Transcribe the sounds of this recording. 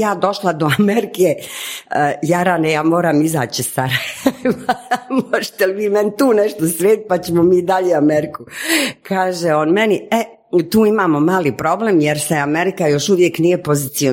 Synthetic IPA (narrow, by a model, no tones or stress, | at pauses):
jaːd̪o̞ʃlad̪oameɾike | jaɾanejaːmoːɾaːmiza̰ːt͡ɕisaɾajʋamoʒe̥t̪eliʋiːment̪uːneʃt̪osɾeːd̪it̪̚pat͡ɕemomiːd̪aʎeːameɾikukʰaːʒeoːnme̞nie | t̪uːimaːmo̞maːliːpɾo̞bleːmjeɾseameɾikajoʃuʋje̞knije̞po̞zit̪sio